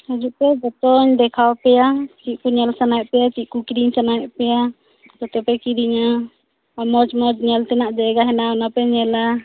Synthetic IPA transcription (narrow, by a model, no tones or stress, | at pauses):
had͡ʒuʔpɛd͡ʒɔt̪ɔɲd̪ɛkʰawpɛjat͡ʃiʔ̪̚kuɲɛlsanajʔpɛjat͡ʃiʔ̪̚kukiɾiɲsanajɛʔpɛja | t̪ɔt̪ɛpɛkiɾiɲa | amɔd͡ʒmɔd͡ʒɲɛlt̪ɛnaʔd͡ʒɛɡaɦɛnawnapɛɲɛla